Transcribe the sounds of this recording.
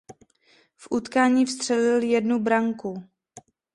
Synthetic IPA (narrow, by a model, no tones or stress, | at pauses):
fʔut̪kaːɲiːfst̪r̝̥ɛlɪljɛdnubɾaŋku